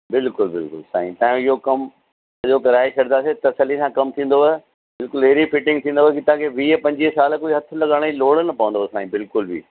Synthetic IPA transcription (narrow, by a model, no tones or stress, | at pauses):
bɪlkʊlbɪlkʊ̰lsa̰ːḭ̃t̪ãːj̃ɪɦokɐm | ʄokɐɾaːisʰɐɽnaːset̪ɐsəlːisãkɐmt̪ʰĩːn̆d̪oe | bɪlkʊlɦeːɾifɪʈɪ̃ŋɡ̚t̪ʰĩːnd̪oːɦkit̪ããkʰeʋiːpɐ̃ɲd͡ʑiɦsaːlkoːiɦɐt̪ʰʊ̆lɐɠaːɽ̃loːɽənɐpɐʋə̃n̆d̪oːsaːĩbɪlkʊlbʱḭː